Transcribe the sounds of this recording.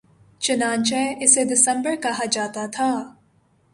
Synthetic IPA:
t͡ʃɐnaːnt͡ʃɛʔɪsed̪ɪsɛ̃mbəɾkɐɦad͡ʒaːt̪at̪ʰaː

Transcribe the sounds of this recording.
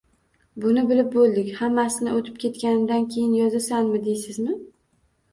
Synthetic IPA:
bʊnɪbɪlɪp̚bolˠd̪ɪkʲhamːasɪnɪot̪ʰɪ̥p̚kʲʰe̞t̪kʲanɪd̪ankʲʰejɪnjɒzasanmɪd̪ejsɪzmɪ

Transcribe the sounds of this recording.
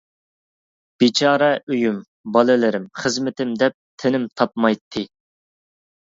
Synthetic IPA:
b̥it͡ʃʰɑːɾɛyjym | bɑlˠɨlɪɾɪmχəzmɪt̪ɪmd̪ɛp̚t̪ʰɪnɪmt̪ʰɑpmɑjt̪ʰːɨ

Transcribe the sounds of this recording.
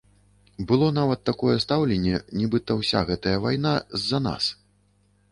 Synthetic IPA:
bɨlˠɔn̪avɐt̪ːakɔjɛst̪awlʲɛnʲːɛnʲɛbɨt̪ɐwsʲa̰ɣɛt̪ɐjɐvajnazːɐna̰s

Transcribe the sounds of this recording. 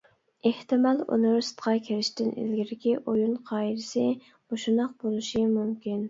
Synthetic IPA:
eht̪ɪmɑlˠo̰nɨɾst̪qʰɑkʲʰeɾɪʃt̪ɪnḭlɡʲiɾɪkʲiʔojunqʰɑːid̪ɪsɪ | b̥oʃund̪ɑq̚bolˠuʃimumkʲin

